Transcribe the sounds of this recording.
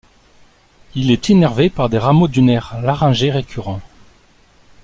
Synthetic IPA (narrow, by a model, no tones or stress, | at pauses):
ilɛt̪enɛʁvepaʁd̪eʁamod̪ynɛʁlaʁɑ̃ʒeʁekʰʲyʁɑ̃